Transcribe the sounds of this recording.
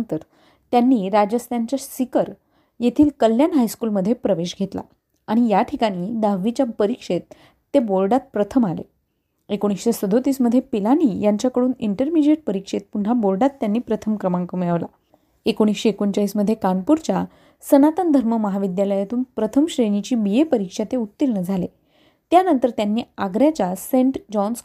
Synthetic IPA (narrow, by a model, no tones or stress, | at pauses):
nt̪əɾ | t̪janːiːɾad͡ʑəst̪jaɲt͡ɕasikəɾ | jet̪ʰiːlkəlːjanɦajskuːlməd̪ʱːjepɾəʋeɕɡʱet̪la̰ | aɽ̃ijaʈʰikaɽ̃iːd̪aʋit͡ɕapəɾikʂet̪̚ː | ebolɖat̪̚pɾət̪ʰəmalḛ | ekoɽ̃isɕesəd̪ʱot̪iːsməd̪ʱjepilaniːjaɲt͡ɕjakəɽuːniɳʈəɾmid͡ʑeʈ̚pəɾikʂet̪̚punɦabolɖat̪ːjanːiːpɾət̪ʰəmkɾəmãŋkəmeɭəʋla | ekoɽ̃isɕeekoɲt͡ɕaisməd̪ʱjekanpuɾt͡ɕa | sənat̪ənd̪ʱəɾməməɦaʋid̪jaləjet̪uːnpɾət̪ʰəmɕɾeɽit͡ɕiːbijepəɾikʂat̪eut̪ːiɾɳəd͡zʱale | t̪janənt̪əɾt̪janːiːaɡɾjat͡ɕasẽɳʈd͡ʑɔns